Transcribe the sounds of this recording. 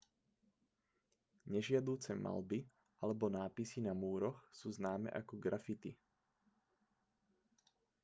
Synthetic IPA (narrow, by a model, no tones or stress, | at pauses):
ɲɛʒɪad̪uːt͡sɛma̰lbi | alɛbɔnaːpisinamuːɾɔxsuːznaːmɛ̰ʔakɔɡɾʔafit̪i